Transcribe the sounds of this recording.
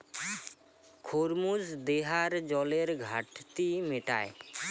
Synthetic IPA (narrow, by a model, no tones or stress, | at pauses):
kʰoɾmuzd̪eɦaɾd͡ʒɔleɾɡʱaʈt̪imeʈa̰e